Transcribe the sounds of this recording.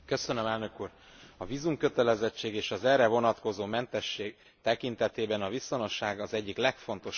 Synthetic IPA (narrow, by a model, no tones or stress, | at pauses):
køsønømɛlnø̞kuːr | ɒviːzumkø̞t̪ɛlɛzɛt͡ʃːeːɡeːʃɒzɛrɛvo̞nɒt̪ko̞zoːmɛnt̪ɛʃːeːɡ | t̪ɛkint̪ɛt̪eːbɛnɒviso̞no̞ʃːaːɡɒzɛɟːiklɛkfo̞nt̪o̞ʃ